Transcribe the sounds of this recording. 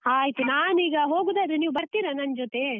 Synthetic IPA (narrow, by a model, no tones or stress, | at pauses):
aːjt̪unaːniːɡɐɦoːɡud̪eɐd̪ɾuniːʋubɐɾt̪iːɾanɐnd͡ʒot̪e̞